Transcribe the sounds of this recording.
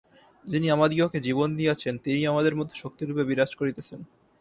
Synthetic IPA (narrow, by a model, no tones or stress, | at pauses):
d͡ʑiniamad̪ioked͡ʑibond̪ieat͡ɕʰent̪iniamad̪eɾmɔt̪ʰo̥ʃok̚t̪iɾupebiɾad͡ʑkoɾit̪et͡ɕʰen